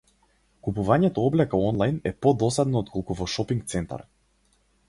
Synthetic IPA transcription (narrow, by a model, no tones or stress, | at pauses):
kupuvaɲɛt̪ɔɔblɛkaɔnlˠajnɛpɔd̪ɔsad̪nɔɔt̪̚kɔlˠkuvɔʃɔpiŋk̚t̪sɛnt̪a̰ɾ